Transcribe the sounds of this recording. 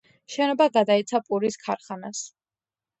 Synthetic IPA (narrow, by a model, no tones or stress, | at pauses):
ʃɛnɔbaɡad̪ait̪sʰapʼuɾiskʰaɾχanas